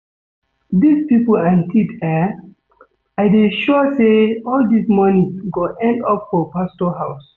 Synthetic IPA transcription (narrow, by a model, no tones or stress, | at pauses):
dispipolãntʰitɛ | aɪdeʃɔseɔldismɔnĩŋsɡoʔɛ̃ndɔpfɔpastɔɦaʊs